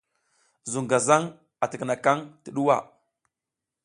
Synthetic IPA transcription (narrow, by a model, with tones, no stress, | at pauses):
zu˨ŋɡa˨za˦ŋ | a˨tə˨kə˨na˨ka˦ŋtə˨ɗu˦wa̰˦˨